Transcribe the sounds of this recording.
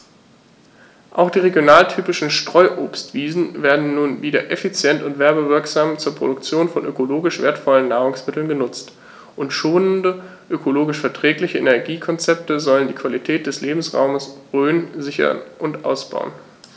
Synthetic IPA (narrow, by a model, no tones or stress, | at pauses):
ʔaʊxd̥iːʁeɡjonaːltʰyːpɪʃn̩ʃtʁ̥ɔʏʔoːpstv̥iːzn̩veːɐdn̩ːuːnviːdɐ̰ʔefit͡sjɛntʊntv̥ɛɐbəvɪɐkz̥aːmt͡suːɐpʁ̥o̰dʊk̚t͡sjoːnfɔnʔø̰koloːɡɪʃv̥eːɐtfɔlənːaːʁʊŋsmɪtl̩nɡənʊt͡st | ʔʊntʃoːnəndə | ʔøkʰoloːɡɪʃfɛɐtʁ̥ɛːklɪçəʔenɛɐɡiːkʰɔnt͡sɛp̚təzɔləndiːkʰv̥alitʰɛːt̚d̥ɛsleːbm̩sʁa̰ʊməsʁøːnzɪçɐ̰nʔʊntʔa̰ʊsb̥a̰ʊn